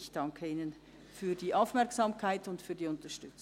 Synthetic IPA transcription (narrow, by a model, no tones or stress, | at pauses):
çd̥ɑŋkʰəiːnən | fyːɐd̥iːʔaʊfmɛɐksamkʰaɪtʊntfyːɐdiːʊntɐʃtʏt͡s